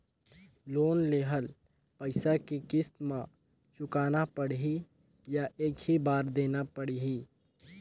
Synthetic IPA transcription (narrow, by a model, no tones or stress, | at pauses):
loːnleːɦəl | pəɪsakikɪst̪mã | t͡ʃʊkaːnapəɽɦi | jaʔeːkɦibaːɾd̪eːnapəɽiɦiː